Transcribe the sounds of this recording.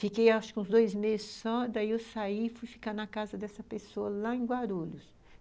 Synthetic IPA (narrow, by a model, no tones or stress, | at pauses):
fikejaʃʊ̥kɪũzd̪ojzmezɪsɔd̪aiewsaifujfi̥kanɐkazɐd̪ɛsɐpesoɐlaẽɡwaɾuʎʊs